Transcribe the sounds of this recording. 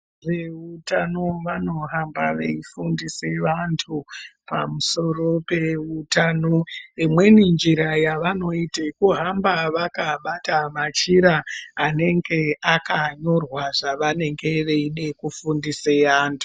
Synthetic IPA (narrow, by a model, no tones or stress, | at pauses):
ʐeutano̞ʋano̞ɦambaʋeifundiseʋantʰupa̰muso̞ro̞pe̞utano̞imwe̞nind͡ʒiɾajaʋano̞itekuɦambaʋakaɓatamat͡ʃiɾaːne̞ŋɡe̞akaɲo̞rwaʐaʋane̞ŋɡe̞ʋe̞iɗe̞kufundiseʋaːntʰu̥